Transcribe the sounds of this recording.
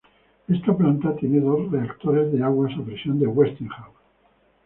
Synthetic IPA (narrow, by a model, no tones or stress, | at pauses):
e̞st̪aplant̪at̪jene̞ðo̞sre̞akt̪oɾe̞zðe̞aɣwasapɾesjo̞nd̪eɣwe̞st̪ĩŋχaw